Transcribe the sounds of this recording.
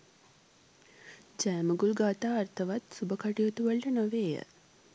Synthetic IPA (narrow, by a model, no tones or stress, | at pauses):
d͡ʒæːməɡulɡaːt̪aːrt̪ʰəʋat̪subəkaʈijut̪uʋəɭʈənoʋeːjə̰